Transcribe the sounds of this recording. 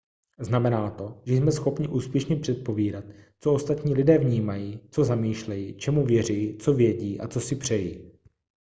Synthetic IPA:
znamɛnaːt̪o̞ʒɛjsmɛsxo̞pɲɪʔuːspjɛʃɲɛpr̝̥ɛt̪̚po̞viːdat̪ | t͡so̞o̞st̪at̪ɲiːlɪdɛːvɲiːmajiːt͡so̞zamiːʃlɛjiːt͡ʃɛmuvjɛr̝ijit͡so̞vjɛɟiːʔa̰t͡so̞sɪpr̝̥ɛjiː

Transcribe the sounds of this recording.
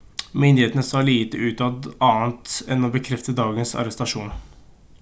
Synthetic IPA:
mʏnd̪ɪheːt̪ənəsɑːliːt̪əʉːt̪ɑd̪ɑːnt̪ɛnːɔbəkʰɾɛft̪əd̪ɑːɡənsɑ̰ɾɛst̪ɑʂuːn

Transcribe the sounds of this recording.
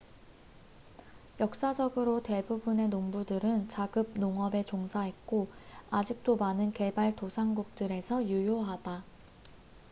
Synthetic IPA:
jʌk̚s͈ad͡ʑʌɡɯɾote̞bubɯne̞noŋbudɯɾɯnt͡ɕaɡɯb̚noŋʌbe̞t͡ɕoŋsʰaɦe̞t̚k͈oad͡ʑik̚t͈omanɯnke̞baɭtosʰaŋɡuk̚t͈ɯɾe̞sʰʌjujoɦada

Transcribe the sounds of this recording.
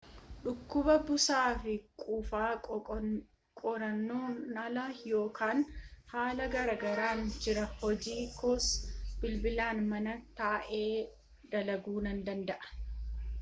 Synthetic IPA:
ɗʊkːʊbɐbʊsaːfɪkʼuːfaː | kʼɔɾɐnːoːnɐlɐjo̞ːkaːnhaːlɐɡɐɾɐɡɐɾaːnd͡ʒɪɾɐhɔd͡ʒiːkʰoːsb̥ɪlbɪlaːnmɐnɐt̪aːʔe̞ː | d̪̥ɐlɐɡuːnɐnd̪ɐnd̪ɐʔɐ̥

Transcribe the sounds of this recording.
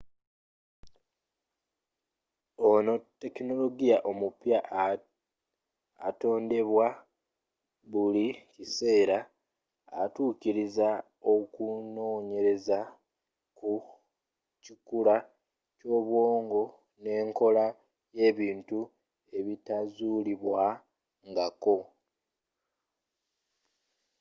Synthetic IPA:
o̞no̞tːe̞kino̞lo̞ɡijaʔo̞mupja | to̞ːnde̞βwa | βulicise̞ːɾa̰ː | tuːciɾiza | o̞kuno̞ːɲe̞ɾe̞za | ku | cikula | co̞ːβwo̞ːŋɡo̞ | ne̞ːŋko̞la | je̞ːβiːntu | e̞βitazuliβwa | ŋɡako̞

